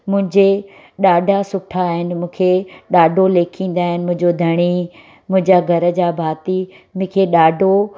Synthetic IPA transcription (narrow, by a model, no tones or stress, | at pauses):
mʊ̃ɦɪ̃ɲd͡ʑe | ɗaːɖʱasʊʈʰaːɦɪnɪ̆mũːkʰeɗaːɖʱoleːkʰĩːn̆d̪aːɦɪnɪ̆mʊ̃ɦɪ̃ɲd͡ʑod̪ʱɐɽ̃i | mʊ̃ɦɪ̃ɲd͡ʑaɡʱɐɾə̆d͡ʑaːbʱaːt̪i | mʊ̃ːkʰeɗaːɖʱo